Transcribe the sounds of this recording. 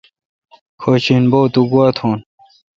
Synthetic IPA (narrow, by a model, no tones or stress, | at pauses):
kʰoːt͡ɕʰinboːt̪uɡuaːt̪ʰoːn